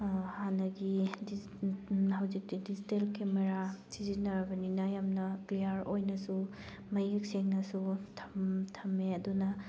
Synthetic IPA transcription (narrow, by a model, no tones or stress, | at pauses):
hanɐɡidi | hɐwzik̚tidid͡ʒitelkemeɾasizinɐɾɐbɐninɐjamnɐkliaɾojnɐsu | mɐjik̚seŋnɐsutʰɐmtʰɐmːeɐdunɐ